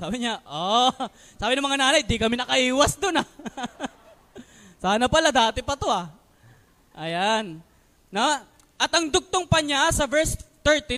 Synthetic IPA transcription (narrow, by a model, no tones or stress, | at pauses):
saːbɪɲaʔo | saːbɪnɐmɐŋanaːnɐjd̪ɪkɐmɪnɐkɐʔiːwɐsd̪ona | saːnɐpɐlad̪aːt̪ɪpɐt̪o̞a | ʔɐjanː | o | ʔɐt̪ʔɐŋd̪ʊɡ̚t̪oŋpɐɲasɐvɛɹst̪ɛɹt̪i